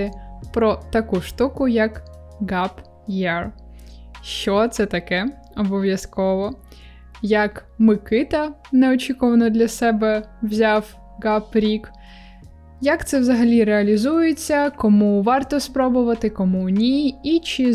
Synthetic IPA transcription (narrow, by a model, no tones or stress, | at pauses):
ɪpɾɔt̪ɐkuʃt̪ukʊjɐk | ɡɑp | jɛr | ʃt͡ʃɔt̪sɛt̪ɐkɛ | ɔbɔʋʲjɐskɔʋɔ | jɐk | mɪkɪt̪ɐnɛɔt͡ʃʲikɔʋɐnɔd̪lʲɐsɛbɛwzʲɑw | ɡɑpɾʲik | jɐkt̪sɛwzɐɦɐlʲiɾeɐlʲizujet͡sʲːɐkɔmuʋɑrt̪ɔspɾɔbʊʋɐt̪ɪkɔmunʲiit͡ʃɪ